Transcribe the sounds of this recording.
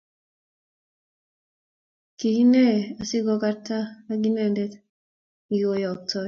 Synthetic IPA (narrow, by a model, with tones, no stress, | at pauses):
ki˨hi˦ne˦a˨si˦ɡo˦ka˦ɾta˦na˦ɡi˦ne˨nde˦t | ŋi˨ɡo˨ja˨k̚to˨